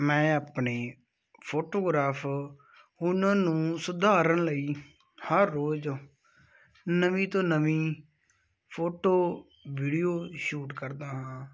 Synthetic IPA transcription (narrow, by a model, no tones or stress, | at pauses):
mɛ̃ːaːpɳeː | pʰoːʈoːɡɾaːpʰ | ʊnãːnũːsʊd̪aːɾənləiː | həɾːoːd͡ʒ | nəʋĩːt̪õːnəʋĩː | pʰoːʈoː | ʋiːɽijoːʃuːʈkəɾd̪aːɦãː